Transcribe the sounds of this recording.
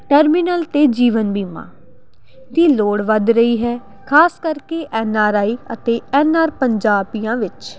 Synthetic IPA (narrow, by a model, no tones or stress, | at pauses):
ʈɛːɾmɪnəlt̪eːd͡ʒiːʋənbiːmã̰ː | t̪iːloːɽʋəd̪ɾəiːɦɛː | kʰaːskəɾkeːʔɛːnaːɾaːiːət̪eːɛːnaːɾpəɲd͡ʒaːbijãːʋɪt͡ʃ